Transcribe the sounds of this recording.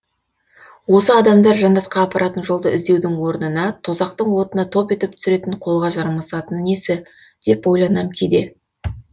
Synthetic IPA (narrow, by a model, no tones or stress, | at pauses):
wo̞səɑd̪ɑmd̪ɑɾʒɑnd̪ɑt̪qɑːpɑɾɑt̪ənʒo̞lˠd̪əɪzd̪ewd̪ɪŋwo̞ɾnənɑt̪ʰozɑq̚t̪əɴwo̞t̪ənɑt̪ʰo̞pe̞t̪ɪp̚t̪ʰʏ̥sɪɾe̞t̪ɪɴqʰo̞lˠʁɑʒɑɾməsɑt̪ənne̞sɪ | d̪̥e̞pwo̞jlˠɑnɑmkʲʰejd̪e̞